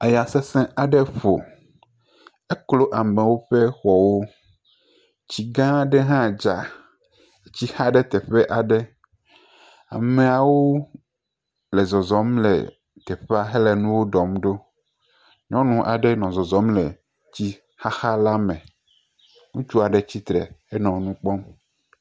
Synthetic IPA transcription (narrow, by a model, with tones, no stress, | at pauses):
a˨ja˨sɛ˦sɛ̃˦a˨ɖɛ˦ɸo˨ | e˦klo˦ʔa˨mɛ̃˨wo˦ɸɛ˦xɔ˨wo˦ | t͡ɕi˨ɡã˦˨ɖɛ˦ɦã˦˨d͡ʒa˨ | t͡ɕi˦xa˦ɖɛ˦t̪ɛ˨ɸɛ˦ʔa˨ɖɛ˦ | a̰˨mẽ˨a˨wo˦ | le˨zɔ˨zɔ˨˦mlḛ˨ | t̪ɛ˨ɸe˦a˦ɦe˦lɛ˨nũ˦wo˦ɖɔ˨mɖo˦ | ɲɔ̃˦nũ˦ʔa̰˨ɖɛ˦nɔ̃˨zɔ˨zɔ˨˦mle˨ | t͡ɕi˦ | xa˦xa˦la˦mɛ̃˨ | ŋũ˦t͡ʃu˦a˨ɖɛ˨t͡ɕi˦t̪ɾɛ̰˨e˦nɔ̃˨˦nũ˦k͡pɔ˦m